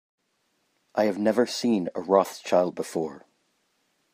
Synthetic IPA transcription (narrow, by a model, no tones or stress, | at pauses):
ʔaɪɨvnɛvə˞sĩnə̰ɹɔθt͡ʃʰaɪlˠd̚bəfɔɹ